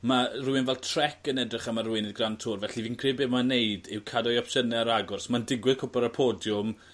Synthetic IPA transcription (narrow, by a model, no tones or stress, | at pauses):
marʊɪnvɛlˠtʰrɛkənɛdrɪχamarwɪnɪðɡrantʰʊrvɛɬiviːnkʰr̥ɪːbeːmaneɨdɪwkʰadɔjɔpʃənɛaɾaɡʊrsmandɪɡwɪðkʰʊpaɾapʰoːdjʊm